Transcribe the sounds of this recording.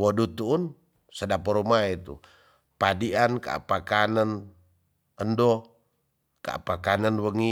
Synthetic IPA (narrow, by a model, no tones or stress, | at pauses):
wodut̪uːn | sədapɔɾumait̪ṵ | padianka̰pakanən | əndɔ | ka̰pakanənwəŋi